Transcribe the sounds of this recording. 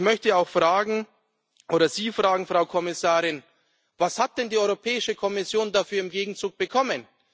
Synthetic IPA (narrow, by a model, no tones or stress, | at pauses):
mœçtəaʊxfʁ̥aːɡŋ̩ | ʔoːɾɐziːfʁ̥aːɡŋ̩fʁ̥aʊkʰɔmɪsaːʁɪn | vashat̚d̥ɛndiːɔʏʁopʰɛːɪʃəkʰɔmɪsjoːndafyːɐɪmɡeːɡŋ̩t͡suːk̚b̥əkʰɔmən